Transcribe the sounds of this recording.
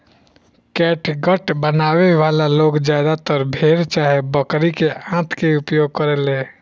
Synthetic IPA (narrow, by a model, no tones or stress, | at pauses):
kɛːʈʰɡəʈbənaːweʋaːlaloːɡd͡ʒjaːd̪at̪əɾbʱeːɾt͡ʃaːɦebəkɾikeãːt̪ʰkeʊpjoːɡ̚kəɾeːleː